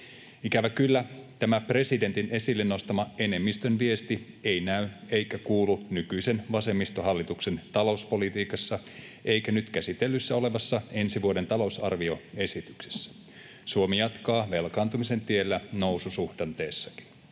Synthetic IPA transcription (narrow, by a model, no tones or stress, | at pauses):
ikæʋækylːæt̪æmæpre̞side̞nt̪ine̞silːenːo̞st̪ɑmɑe̞ne̞mːist̪ønʋie̞st̪i | ejnæye̞jkækuːlunykyise̞nʋɑse̞mːist̪o̞ɦɑlːit̪ukse̞nt̪ɑlo̞uspo̞lit̪iːkɑsːɑ | ʔe̞ijkænyt̪kæsit̪elːysːæo̞le̞ʋɑsːɑe̞nsiʋuode̞nt̪ɑlo̞usɑrʋio̞e̞sit̪ykse̥sːæ̥ | suomijɑt̪kɑːʋe̞lkɑːnt̪umise̞nt̪ielːæno̞wsusuhdɑnt̪e̞ːsːɑki̥n